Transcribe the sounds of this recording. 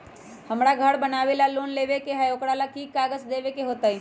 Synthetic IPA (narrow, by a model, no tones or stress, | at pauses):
hɐmɽaɡʱəɽbənaːʋelaloːnleːʋekeɦajoːkɽalakiːkːaːɡəd͡ʒd̪eːʋekeɦoːt̪aɦɛ